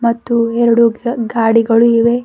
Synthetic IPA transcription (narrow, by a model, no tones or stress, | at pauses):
mɐt̪ːuɛɾɐɽuɡaːɽiɡɐɭuiʋe